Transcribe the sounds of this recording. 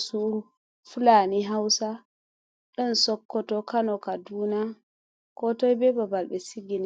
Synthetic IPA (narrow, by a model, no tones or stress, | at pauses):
suɾu | fulaniɦawsa | ɗɔnsɔkːɔtɔkanɔkaduːna | kɔtɔjbɛbabalbɛsiɡin